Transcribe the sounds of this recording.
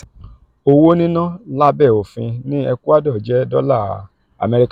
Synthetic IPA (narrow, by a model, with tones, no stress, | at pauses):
o˧wo˦nĩ˦nã˦˨la˦bɛ˦˨o˨fĩ˧nĩ˦ɛ˧ku˦a˦dɔ˦˨d͡ʒɛ˨˦dɔ˦la˦˨ | a̰˨mɛ˧ɾi˦˧k